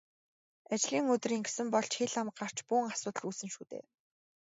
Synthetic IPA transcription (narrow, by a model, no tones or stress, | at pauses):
at͡ɕɮiːŋɵt̪̆riːŋɡe̥sɘ̆mpɔɮt͡ɕxeɮam̆ɢɢar̥t͡ɕpuːŋasʊːt̪ə̆ɮuːsɘ̆nʃuːt̪ḛː